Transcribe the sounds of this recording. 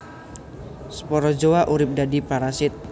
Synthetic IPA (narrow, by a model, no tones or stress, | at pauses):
sə̥pɔɾɔd͡ʒowaʔuɾɪp̚dadipaɾasɪt̪̚